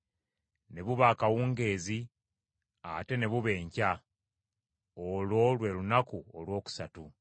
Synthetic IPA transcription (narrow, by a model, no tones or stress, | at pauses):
ne̞βuβaːkawuːŋɡe̞ːzi | a̰te̞ne̞βuβe̞ːɲca | olo̞lwe̞lunakuolwo̞ːku̥satu